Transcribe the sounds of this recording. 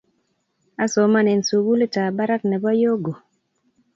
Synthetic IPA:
a˦so˨ma˦˨nɛ˨nsu˨ɡu˦le˦ta˨ba˦ɾa˦knɛ˨ba˦jo˦ɡo˨

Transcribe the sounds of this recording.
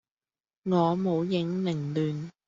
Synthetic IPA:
ŋɔː˨˧mo˨˧wjɪ˨˧˥ŋlɪ˨˩ŋlyː˨n

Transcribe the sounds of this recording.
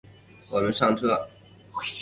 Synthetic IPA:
wɔ˨˩mə˦nʂɑ˥˧ŋʈ͡ʂʰɤ˥˩

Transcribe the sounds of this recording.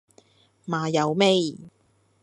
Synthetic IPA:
maː˨jɐ˨˧wme˥j

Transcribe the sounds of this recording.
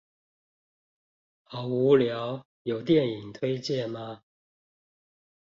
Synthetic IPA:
xɑ˨˩ʊu˨˧˦ljɑ˨˦ʊ | jo˨˩ʊt̪jɛ˥˨ni˨˩ŋt̪ʰwe˥ɪt͡ɕjɛ˥˨nma˨˦

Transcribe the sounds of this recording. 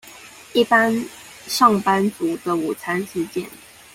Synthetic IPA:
i˥˩pa˥n | ʂɑ˥˩ŋpa˥nt͡su˨˩d̪ə˨u˨˩t͡sʰa˥ns̩˥˧t͡ɕjɛ̰˥˨n

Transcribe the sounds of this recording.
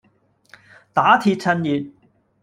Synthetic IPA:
t̪aː˨˥t̪ʰiː˧t̚t͡sʰɐ˧njyː˨t̚

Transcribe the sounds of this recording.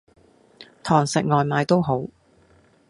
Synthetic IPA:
t̪ʰɔː˨˩ŋsɪ˨k̚ŋɔː˨jmaː˨˧jt̪o˥wɦo˨˥w

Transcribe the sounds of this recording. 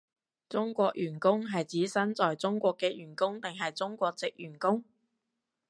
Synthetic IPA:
t͡sʊ˥ŋkʷɔː˧k̚jyː˨˩nkʊ˥ŋɦɐ˨jt͡siː˨˥sɐ˥nt͡sɔː˨jt͡sʊ˥ŋkʷɔː˧kːɛː˧jyː˨˩nkʊ˥ŋt̪ɪ˨ŋɦɐ˨jt͡sʊ˥ŋkʷɔː˧k̚t͡sɪ˨k̚jyː˨˩nkʊ˥ŋ

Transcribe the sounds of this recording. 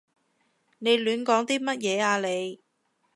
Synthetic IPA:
ne˨˧jlyː˨˥nkɔː˨˥ŋt̪iː˥mɐ˥t̚jɛː˨˧aː˨˧le˨˧j

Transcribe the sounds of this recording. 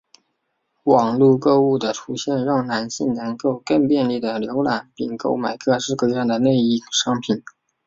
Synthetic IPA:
wɑ˨˩ŋlu˥˧kɤ˥˧u˥˩d̪ə˩ʈ͡ʂʰu˥ɕjɛ˥˧nɻɑ˥˩ŋna˧˥nɕi˥˩ŋnə˧˥ŋko˥˧ʊkɤ˥˧ŋpjɛ˥˧nli˥˩d̪ə˩ljo˧˥ʊla˨˩˦npi˥˩ŋko˥ʊma˨˩ɪkʰɤ˥˧ʂɻ̩˥˧kɤ˥˧ɥɛ˥nd̪ə˩ne˥˧ɪi˥˩ʂɑ˥ŋpʰi˨˩n

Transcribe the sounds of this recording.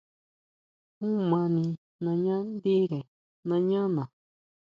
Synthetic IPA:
ũ˦mã˧nĩ˧ | nã˧ɲã˦nd̪i˦ɾe˨ | nã˧ɲã˦nã˨

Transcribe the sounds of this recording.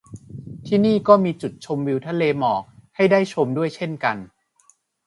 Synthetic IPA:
t̪ʰiː˥˩niː˥˩kɔː˥˩miː˧t͡ɕu˨˩t̪̚t͡ɕʰo˧mwi˧wt̪ʰa˧˥leː˧mɔː˨˩k̚ha˥˩jdaː˥˩jt͡ɕʰo˧mdu˥˩əjt͡ɕʰe˥˩nka˧n

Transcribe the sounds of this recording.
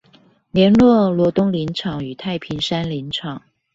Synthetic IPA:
ljɛ˧˥nlwɔ˥˩lwɔ˧˥t̪ʊ˥ŋli˧˥nʈ͡ʂʰɑ˨˩ŋy˨˩t̪ʰa˥˩ɪpʰi˧˥ŋʂa˥nli˧˥nʈ͡ʂʰɑ˨˩˦ŋ

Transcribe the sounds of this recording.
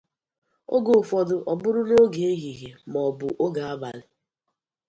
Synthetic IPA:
o˦ɡo˨fɔ˨dʊ˨ʔɔ˨bʊ˦ɾʊ˦no˦ɡe˨e˦ɦi˨ɦe˨mɔ˨bʊ˨ʔo˦ɡa˨a˦ba˨lɪ˨

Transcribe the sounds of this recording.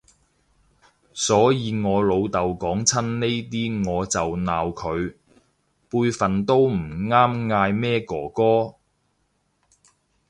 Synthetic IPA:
sɔː˨˥jiː˨˧ŋɔː˨˧lo˨˧wt̪ɐ˨wkɔː˨˥ŋt͡sʰɐ˥nne˥jt̪iː˥ŋɔː˨˧t͡sɐ˨wnaː˨wkʰɵ˨˧ɥ | puː˧jfɐ˨nt̪o˥wm̩˨˩ŋaː˥mŋaː˧jmɛː˥kɔː˨˩kɔː˥

